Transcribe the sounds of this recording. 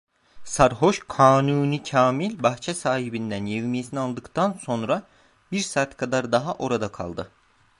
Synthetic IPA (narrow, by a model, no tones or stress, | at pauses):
saɾɦo̞ʃkʰaːnuːnicʰaːmilʲbaxt͡ʃʰɛsaːɦibind̪ænjevmijesinialˠd̪ɯkt̪ʰanso̞nɾa | biɾsaːt̪kʰad̪aɾd̪aɦaʔo̞ɾad̪akʰa̰lˠd̪ɯ